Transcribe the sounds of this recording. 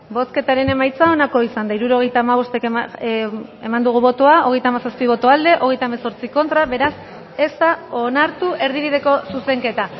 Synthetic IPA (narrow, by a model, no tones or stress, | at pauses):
bo̞ske̞t̪aɾe̞ne̞majt͡sao̞nako̞isand̪aiɾuɾo̞ɣ̞e̞jt̪aːmaβ̞o̞st̪e̞k | e̞mand̪uɣ̞uβo̞t̪oao̞ɣe̞jt̪amasaspiβ̞o̞t̪oald̪e̞ʔo̞ɣ̞e̞jt̪aemeso̞ɾt͡siko̞nt̪ɾaβe̞ɾas | e̞st̪aonaɾt̪uʔe̞ɾð̞iβið̞e̞ko̞suse̞ŋke̞t̪a